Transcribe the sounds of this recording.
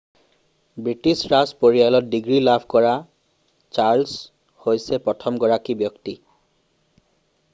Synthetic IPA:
bɹitisɹaspoɹijalɔt̚diɡɹilabʱkɔɹa | t͡ʃaɹls | hojsɛpɹɔtʰɔmɡɔɹakibjɔkti

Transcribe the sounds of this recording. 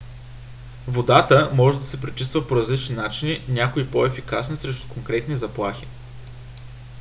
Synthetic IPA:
vod̪at̪əmɔʒɛd̪ɐsɛpɾit͡ʃist̪vəpoɾɐzlit͡ʃninat͡ʃininʲakoipoɛfikasnisɾɛʃt̪ʊ̥koŋkɾɛt̪nʲizɐplˠaxi

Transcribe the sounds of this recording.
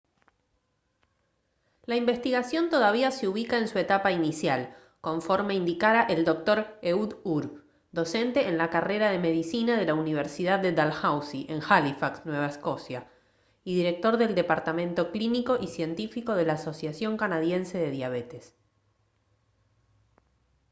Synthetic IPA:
laimbe̞st̪iɣasjo̞nt̪oðaβ̞iaseuβikaensue̞t̪apainisjal | ko̞ɱfo̞ɾme̞ind̪ikaɾaʔeld̪o̞k̚t̪o̞ɾeuðuɾ | d̪o̞se̞nt̪e̞ʔːnlakare̞ɾaðe̞me̞ðisinaðe̞launiβ̞eɾsiðaðːed̪alxawsiʔeŋxalifaksnwe̞β̞aesko̞sja | iðiɾe̞k̚t̪o̞ɾðe̞ld̪e̞paɾt̪amẽ̞nt̪o̞kliniko̞ʔisje̞nt̪ifiko̞ð̞e̞laːso̞sjasjo̞ŋkanaðje̞nse̞ðe̞ðjaβet̪es

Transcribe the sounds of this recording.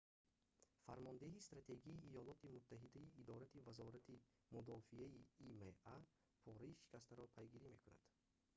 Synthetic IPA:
faɾmɔnd̪eɦist̪ɾat̪ʰe̞ɡiːjɔlɔt̪ʰimut̪ʰːaɦid̪aiːd̪ɔɾat̪ʰivazɔɾat̪ʰi | mud̪ɔfiaiːmeʔa | pʰɔɾaiʃi̥kʰast̪aɾɔpʰajɡiɾime̞kuna̰d̪̥

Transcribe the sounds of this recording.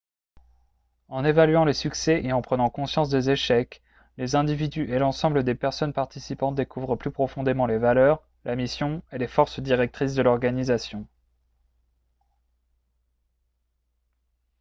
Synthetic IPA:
ɑ̃nevalɥɑ̃lesyksɛʔeɑ̃pχənɑ̃kɔ̃sjɑ̃sd̪ezeʃɛk | lezɛ̃d̪ivid̪yʔelɑ̃sɑ̃bləd̪epɛʁsɔnpaʁt̪isipɑ̃t̪̚d̪ekʰuvʁəplypχɔfɔ̃d̪emɑ̃levalœʁ | lʔamisjɔ̃elefɔʁsd̪iʁɛk̚t̪χis̬d̪əlɔʁɡanizasjɔ̃

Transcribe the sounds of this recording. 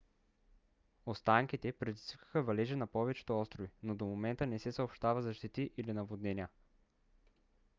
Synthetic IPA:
ost̪aŋkit̪ɛpɾɛd̪izv̥kə̥xəvɐlɛʒɛnɐpɔvɛt͡ʃɛ̥t̪oɔst̪ɾovinod̪omomɛnt̪ənɛsɛsɐopʃt̪avɐzɐʃt̪it̪iʔilinɐvod̪nɛniə

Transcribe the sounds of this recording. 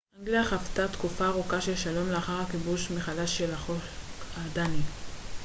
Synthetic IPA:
aŋɡliaχaftat̪kufaːʁukaʃeʃalo̞mleaχaʁhakibuʃmeχadaʃːelaχoad̪ani

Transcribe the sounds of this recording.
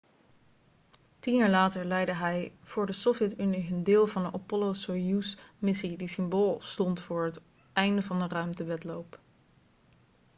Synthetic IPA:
tinjaːɹlaːtəɹlɛjdəɦɛjv̥ʊːɹdəsofjɛtyniɦəndɪːlˠvɑndənʔɔpɔlosojusmɪsidisɪmboːlˠstɔntfʊːɹɦət | ʔɛjndəvɑndərœɥmtəʋɛtlowp

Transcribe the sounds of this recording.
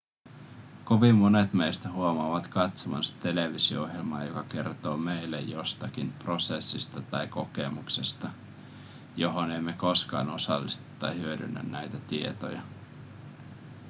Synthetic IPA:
ko̞ʋimːone̞t̪mejst̪æɦuomɑːʋɑt̪kɑt̪somɑ̰sɑ̥t̪e̞leʋisio̰o̰ɦjelmɑ̰ːjo̞kɑke̞rt̪o̞ːmejlːḛjjo̞st̪ɑkinpro̞sesːist̪ɑt̪ɑjko̞ke̞muksest̪ɑ | jo̞ɦo̞nemːeko̞skɑ̰ːno̞sɑ̰lːist̪e̥t̪ːɑ̰hyødy̰nːæ̰nːæjt̪æt̪ie̞̰t̪o̰jɑ

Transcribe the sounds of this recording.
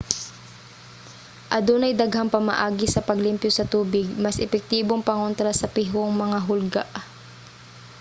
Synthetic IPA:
ʔɐd̪onɐjd̪ɐɡhaŋpɐmɐ̰ʔaːɡɪsɐpɐɡlɪmpjo̞sɐt̪uːbɪɡ̚mɐsʔɛpɛk̚t̪iːboŋpɐŋont̪ɾasɐpɪɦoŋmɐŋaɦʊlɡa̰ʔ

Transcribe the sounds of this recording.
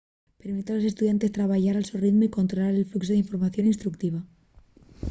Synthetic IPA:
pe̞ɾmit̪alo̞se̞st̪uðjant̪e̞st̪ɾaβaʝaɾalsoriðmoiko̞nt̪ɾo̞laɾelfluksoðeiɱfo̞ɾmaθjo̞ninst̪ɾuk̚t̪iβa

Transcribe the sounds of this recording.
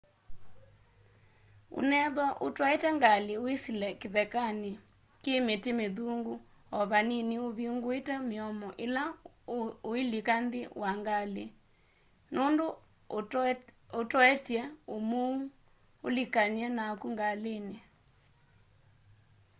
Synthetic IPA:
o̰nɛðwɔʔotwɔetɛŋɡaleoisilɛkeðɛkane | kemetemeðuŋɡu | ɔβaninioβiŋɡoetɛmeɔmɔʔela | oilikandewaŋɡalḛ | nondo | otwɛtjɛomu | olikaniɛnakuŋɡalene

